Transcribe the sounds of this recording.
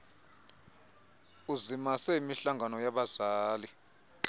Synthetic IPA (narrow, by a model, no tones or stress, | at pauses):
uzimasejimiɬaŋɡʱanɔjaɓazaːli